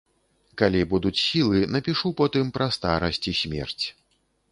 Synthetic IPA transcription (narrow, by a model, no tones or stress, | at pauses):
kalʲibud̪ut͡sʲsʲilˠɨnɐpʲiʂupɔt̪ɨmpɾɐst̪aɾɐsʲt͡sʲisʲmʲɛ̰rt͡sʲ